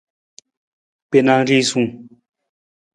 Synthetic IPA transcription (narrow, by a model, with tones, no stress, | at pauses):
pe˩˨na˨ri˥˨ʔsu˥˨ŋ